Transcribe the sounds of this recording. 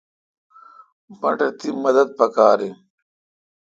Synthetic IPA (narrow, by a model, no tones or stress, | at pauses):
bɐ̰ɳʈɐt̪imɐd̪ɐd̪̚pɐkaːɾi